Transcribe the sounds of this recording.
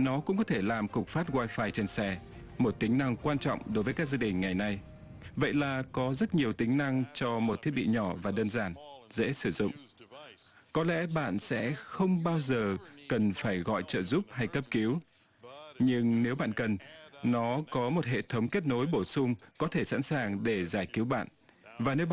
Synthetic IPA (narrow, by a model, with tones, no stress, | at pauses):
nɔ˨˦kʊ̰˧˥ŋ͡mkɔ˨˦t̪ʰe˧˩laː˨˩mkʊ˨˩k͡p̚faː˦˥t̚ɣwaː˧jfaː˧jt͡ɕe˧nsɛ˧˩ | mo˨˩t̚t̪ï˨˦ŋ̟na˧ŋkwaː˧nt͡ɕɔ̰˧˨wŋ͡mɗo˨˦jvəː˨˦ka˦˥k̚zaː˧ɗï˨˩ŋ̟ŋa˨˩jna˧j | və̰˧˨jlaː˨˩kɔ˨˦zə˦˥t̚ɲi˨˩əwt̪ï˨˦ŋ̟na˧ŋt͡ɕɔ˧mo˨˩t̪ʰi˦˥ət̚ɓḭ˧˨ɲɔ˧˩vaː˨˩ɗəː˧nzaː˧˩nzḛ˧˥sɨ˧˩zʊ̰˧˨ŋ͡m | kɔ˨˦lɛ̰˧˥ɓa̰ː˧˨nsɛ̰˧˥xə˧wŋ͡mɓaː˧wzəː˨˩kə˨˩nfaː˧˩jɣɔ̰˧˨jt͡ɕə̰ː˧˨zu˦˥p̚ha˧jkə˦˥p̚ki˨˦w | ɲɨ˧ŋne˨˦wɓa̰ː˧˨nkə˨˩nːɔ˨˦kɔ˨˦mo˨˩t̚ɦḛ˧˨t̪ʰə˨˦wŋ͡mke˦˥t̚no˨˦jɓo˧˩sʊ˧ŋ͡mkɔ˨˦t̪ʰe˧˩sa̰˧˥nsaː˨˩ŋɗe˧˩zaː˧˩jki˨˦wɓa̰ː˧˨n | vaː˨˩ne˨˦w